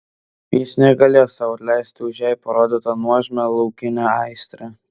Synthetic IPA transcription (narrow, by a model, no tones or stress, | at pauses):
jɪsnʲɛɡɐlʲeːjosɑɐt̪lʲæɪsʲt̪ʲɪʊʒʲæjpɐɾoːd̪ʲɪt̪ɐnuɔʒʲmʲɛlˠɐʊkʲɪnʲæɑɪsʲt̪ʲɾʲɛ